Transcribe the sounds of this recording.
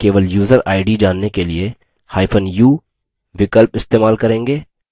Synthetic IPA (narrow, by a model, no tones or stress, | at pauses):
keːʋəljuːzəɾaːɪɖid͡ʒaːnːekelie | haːɪfʰənjuː | ʋɪkəlpɪst̪eːmaːlkɐɾẽːŋɡeː